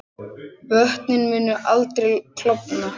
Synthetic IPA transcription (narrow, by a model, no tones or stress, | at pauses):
pœht̪nɪnmɪːnːʏʔalt̪ɾɛjkʰlɔpna